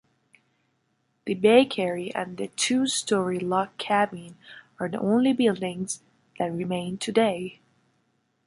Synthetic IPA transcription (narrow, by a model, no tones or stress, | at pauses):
ðɨbeɪkʰɛɹiʔɨ̰̃nðɨtʰustɔɹilɑkʰːæbĩnə˞ðḭʔõʊ̃nlibɪlˠdɪ̃ŋz̥ | ðæt̚ɹɨmẽɪ̃ntʰɨdeɪ